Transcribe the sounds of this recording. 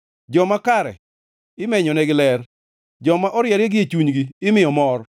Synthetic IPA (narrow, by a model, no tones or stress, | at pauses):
d͡ʒɔmakaɾɛ̰ | ɪmɛɲɔnɛɡɪlɛr | d͡ʒɔmaʔɔɾjɛɾjeɡɪet͡ʃuɲɡiːmɪjɔmɔr